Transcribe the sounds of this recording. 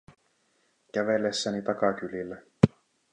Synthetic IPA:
k̟æʋe̞lːesːænit̪ɑkɑk̟ylilːæ

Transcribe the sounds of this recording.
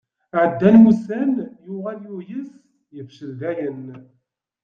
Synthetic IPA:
ʕəd̪ːænusənjʊʁæljujəs | jəfʃəɾðæjən

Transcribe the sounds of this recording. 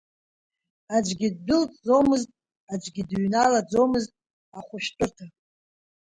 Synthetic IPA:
ad͡ʒʷɡʲid̚ːʊlt͡sʼd͡zo̞mɨztʼ | ad͡ʒʷɡʲidɥnalad͡zo̞mɨztʼ | aχʷʊʃtʷʼʊrtʰa

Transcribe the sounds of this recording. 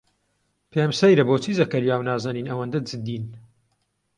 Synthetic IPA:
pʰeːmsɐjɾɐboːt͡ʃiːzɐkɐɾjaːwnaːzɐniːnɐwɐnd̪ɐd͡zɨd̪iːn

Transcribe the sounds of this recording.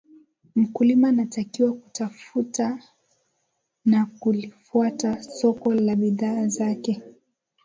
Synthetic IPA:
m̩kulimanatakiwaku̥tafuta | nakulifuatasɔkɔlaɓiðaːzakɛ

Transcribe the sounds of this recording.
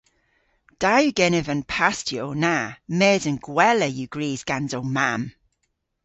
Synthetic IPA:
d̥ajuɡɛnɛvənpʰastjownamɛːzənɡ̥wɛləjuɡ̥ɹiːzɡ̥anzowmam

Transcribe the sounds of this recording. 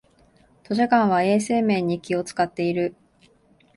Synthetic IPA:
t̪o̞ʑakãɰ̃βae̞ːse̞ːmẽ̞ːɲ̟ːikʲio̞t͡sɨ̥kat̪ːe̞iɾɯ̟

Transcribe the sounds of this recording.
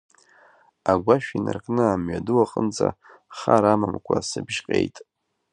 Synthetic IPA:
aɡʷaʃᶣinarkʼnɨamɥaduwaqʼənd͡za | χaɾamamkʷʰasɨbʒqʲʼejtʼ

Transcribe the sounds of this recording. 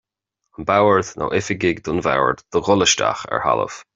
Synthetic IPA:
ənbawəɹd̪nʔa̰ʔɪfɪɡɪɡd̪ʊnva̰wəɹd̪d̪̥əɣʊləʃta̰xɛ̰ɹhalə̰v

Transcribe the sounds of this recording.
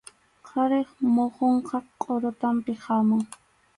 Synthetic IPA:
qʰɑɾeχmoχoɴqʰɑqʼːoɾʊt̪ampɪhɑmʊŋ

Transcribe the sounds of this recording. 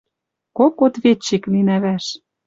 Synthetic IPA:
kokot̪βet͡ɕːiklinæβæʃ

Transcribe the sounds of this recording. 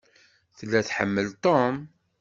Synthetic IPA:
θəlːæθħə̰mːəlt̪ˤom

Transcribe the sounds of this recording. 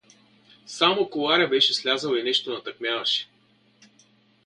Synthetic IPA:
samokolˠaɾʲɐbɛʃɛslʲazəlˠinɛʃt̪onɐt̪ɐkmʲjavɐʃɛ̥

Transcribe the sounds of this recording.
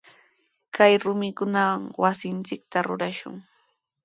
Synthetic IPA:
kajɾʊmɪkʊnawaŋwasɪnt͡sɪk̚t̪aɾʊɾaʃʊ̰ŋ

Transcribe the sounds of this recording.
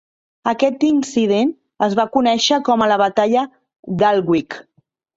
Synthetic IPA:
əkɛt̪insiðen | əzβakunɛʃəkɔmələβ̞ət̪aʎə | d̪alˠɣwik

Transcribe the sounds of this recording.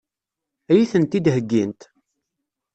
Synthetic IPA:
æjiθənt̪id̪ɦəɡːint̪

